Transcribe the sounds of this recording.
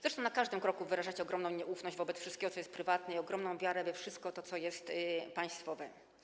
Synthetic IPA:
z̥ɾɛt͡ʂt̪ɔ̃w̃nakaʐd̪ɘmkɾɔkuvɘɾaʐat͡ɕɛɔɡɾɔmnɔ̃w̃ɲɛʔufnɔʑd͡ʑvɔbɛt̪sfʂɘst̪kʲɛɡɔt̪sɔjɛst̪pɾɘvat̪nɛiɔɡɾɔmnɔ̃w̃vʲjaɾɛvɛfʂɘst̪̚kɔt̪ɔt̪sɔjɛst̪paj̃st̪fɔvɛ

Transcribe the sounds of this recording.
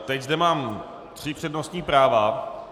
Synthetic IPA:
t̪ɛczdɛmaːm | t̪r̥ɪpr̥ɛdno̞st̪ɲiːpɾaːva

